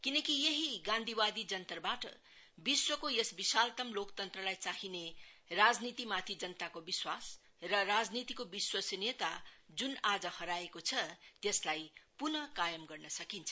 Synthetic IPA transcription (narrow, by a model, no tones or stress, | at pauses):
kinʌkijeɦiɡãnd̪ʱibad̪id͡zʌnt̪rbaʈʌ̰ | biswʌkojesbisalt̪ʌmlokt̪ʌnt̪rʌlajt͡saɦinerad͡znit̪imat̪ʰid͡zʌnt̪akobiswas | rʌrad͡znit̪ikobiswʌsenet̪ad͡zunad͡zʌhʌɾaekot͡sʰʌt̪eslajpunʌkajʌmɡʌrnʌsʌkint͡sʰʌ